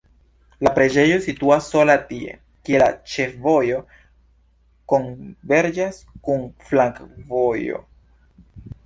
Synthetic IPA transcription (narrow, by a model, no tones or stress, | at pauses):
lapɾe̞d͡ʒe̞jo̞situasːo̞latie̞̰ | kielat͡ʃe̞fvo̞jo̞ | ko̞nve̞ɾd͡ʒaskunflaŋkvo̞jo̞̰